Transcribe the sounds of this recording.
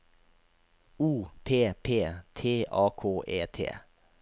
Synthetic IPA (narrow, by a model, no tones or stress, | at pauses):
uːpʰeːpʰeːt̪ʰeːʔɑːkʰoːʔeːt̪ʰḛː